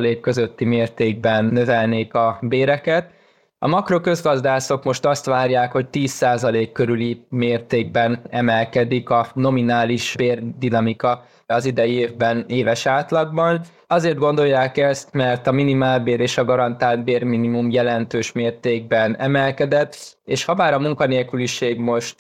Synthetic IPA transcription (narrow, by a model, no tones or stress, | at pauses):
leːkːø̞zøt̪ːimeːrt̪eːɡ̚bɛnːø̞vɛlneːkɒbeːɾɛkɛt̪ | ɒ̰mɒkro̞kø̞zɡɒzd̪aːso̞kmo̞ʃt̪ɒst̪ʋaːrjaːkho̞c̚t̪iːsːaːzɒleːkːø̞ɾylimeːrt̪eːɡ̚bɛnɛmɛlkɛd̪ikɒno̞minaːliʃbeːrd̪inɒmikɒ | ɒzid̪ɛjeːvbɛneːvɛʃaːt̪lɒɡ̚bɒn | ɒzeːrd̪ɡo̞nd̪o̞jːaːkɛst̪mɛrt̪ɒminimaːlbeːɾeːʃɒɡɒɾɒnt̪aːlt̪̚beːrminimumjɛlɛnt̪øːʃmeːrt̪eːɡ̚bɛnɛmɛlkɛd̪ɛt̪ːeːʃhɒmaːɾɒmuŋkɒneːlkyliʃeːɡmo̞ʃt̪